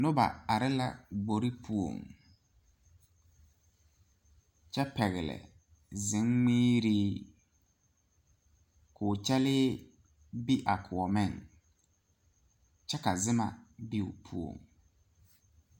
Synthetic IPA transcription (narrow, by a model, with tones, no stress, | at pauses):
nʊ˦ba̰˨a˨ɾɪ˦la̰˦˨ɡ͡bo˨ɾɪ˦pʰu˦o̰˨ŋ | t͡ʃɛ˦pɛ˨ɣɪ˨lɛ̰˨ | zɪ˨˦ŋŋ͡miː˦ɾiː˦ | kʰʊː˨t͡ʃɛ˦lɪː˦ | bi˦ʔa˨kʰʊ˨ɔ˨mɪ˦˨ŋ | t͡ʃɛ˦ka˨zɪ˦ma̰˨bi˦ʊ̰˨pʰu˦o̰˨ŋ